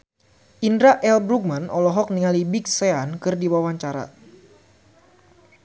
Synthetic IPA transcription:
ʔindɾaʔɛlbɾuk̚manɔlɔɦɔk̚niŋalibik̚seankɨrdiwawaɲt͡ʃaɾa̰

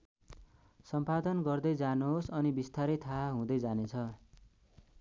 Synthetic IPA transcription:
sʌmpad̪ʌnɡʌrd̪ʌjd͡zanoɦsʌnibist̪aɾʌt̪ʰaɦũd̪ʌjd͡zanet͡sʰʌ

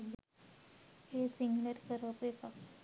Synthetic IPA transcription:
hesiŋɡləɾkəɾʋapeka

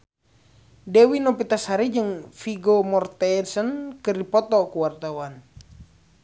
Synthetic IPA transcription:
dɛwinɔpit̪asaɾid͡ʒɨŋfiɡomɔrt̪ɛsənkɨrdipɔt̪ɔkuwart̪awan

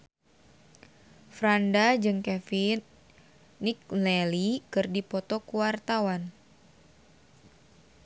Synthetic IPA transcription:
fɾandad͡ʒɨŋkɛfinː | ik̚lɛlikɨrdipɔt̪ɔkuwart̪awan

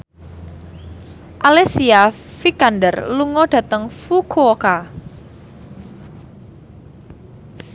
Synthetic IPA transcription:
ʔalesia | fikandərluŋɔɖ̥a̤t̪əŋfukʰoka

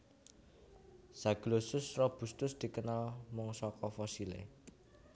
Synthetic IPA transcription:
saɡ̥losʊsrɔb̥ṳst̪ʊsd̪̥i̤kənalmɔŋsɔkɔfɔsilḛ

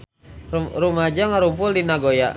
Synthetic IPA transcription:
rumad͡ʒaŋaɾumpʊldinaɡoja

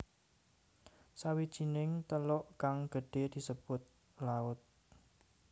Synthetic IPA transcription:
sawid̥ʒ̥i̤nɪŋt̪əlʊʔkaŋɡ̥ə̤ɖ̥e̤d̪̥i̤səb̥ʊt̪̚ | laʊt̪̚

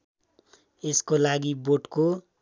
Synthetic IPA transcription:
eskolaɡiboʈko

